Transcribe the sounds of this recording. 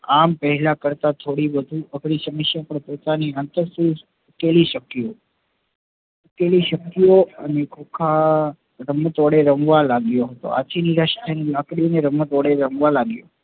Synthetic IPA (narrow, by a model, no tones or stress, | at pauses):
ampəɦɛlakəɾt̪at̪ʰoɽiʋəd̪ʱuʔəɡɽisəməʃjapəɳpot̪aniant̪əɾsũ | ukeliʃəkːio | ukeliʃəkijoənekʰokʰa | ɾəmːət̪ʋɔɽeɾəmʋalaɡjoɦət̪o̰a̰t͡ʃʰiniɾaʃʈənilakɽineɾəmːət̪ʋɔɽeɾəmʋalaɡjo̰